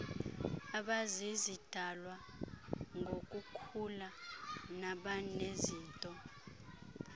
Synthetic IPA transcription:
aɓazizid̥ʱalwa | ŋɡʱokʼukʰulanaɓaneziːntʼɔ

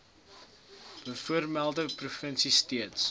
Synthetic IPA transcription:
b̥əfuərmælˠdəprufənsistiəts

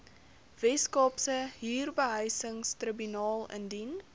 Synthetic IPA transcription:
vɛskɑːpsəɦiːrbəɦəjsəŋstrəbynɑːlˠə̰ndin

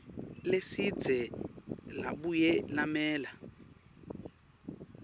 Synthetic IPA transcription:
lesid͡zɛla̰ɓujɛlamɛːla

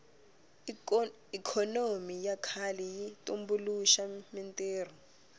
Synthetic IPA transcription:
ikʰɔnomijakʰalijitʼumbuluʃamintʼeːr̤ɔ

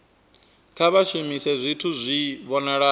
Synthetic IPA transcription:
kʰaβaʃimisɛzʷitʰuzʷiβɔnaɺa

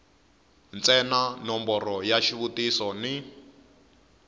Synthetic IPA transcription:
nt͡sʼɛnanɔmbɔrɔjaʃiβutisɔni

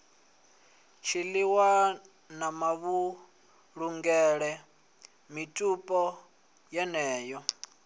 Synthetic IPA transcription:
t͡ʃʰiliwa | namaβu | ɺuŋɡɛɺɛ | mitʼupʼɔ | jɛnɛːjɔ

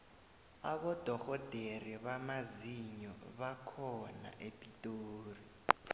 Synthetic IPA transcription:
aɓɔd̥ʱɔxɔd̥ʱeriβamaziɲɔ̰ɓakʰɔna̰ʔepʼitʼoːri

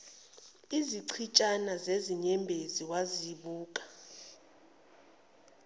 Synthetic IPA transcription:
iziǀʰit͡ʃʼanazeziɲɛmbʱeziwaziɓuːk̬ʼḁ

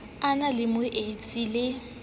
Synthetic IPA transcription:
analɪmʊʔet͡sʼilɪ

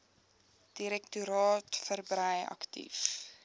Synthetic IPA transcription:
d̥iɾɛktuɾɑːtfərbrəjɐ̰ktḭf

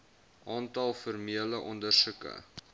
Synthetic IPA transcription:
ʔɑːntɐlˠfɔrmiələʔɔndərsukə̰

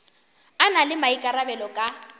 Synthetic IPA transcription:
analɪmaikʼarabɛlɔkʼa

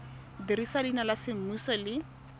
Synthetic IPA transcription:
diɾisalinalasɪm̩musɔlɪ

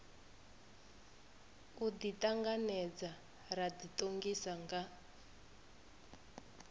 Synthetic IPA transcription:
uditʼaŋɡanɛd͡za | raditʼoŋɡisaŋɡa

